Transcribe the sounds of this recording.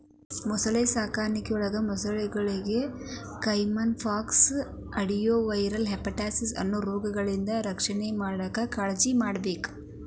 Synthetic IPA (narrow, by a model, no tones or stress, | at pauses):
mɔsɐɭesaːkaːɾnikɛɔɭɐɡɐmɔsɐɭeɡɐɭiɡe | kɐjmɐnfʰaːks | ɐɽijoːʋɐjɾɐlɦepːɐʈaːsisɐ̰nːuːɾoːɡɐɡɐɭind̪ɐɾɐkʂɐnemaːɽɐkɐkaːɭɐd͡ʒimaːɽɐbeːku̥